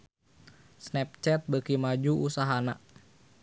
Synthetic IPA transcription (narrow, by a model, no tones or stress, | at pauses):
snɛp̚t͡ʃɛt̪̚bəkimad͡ʒuusaɦana̰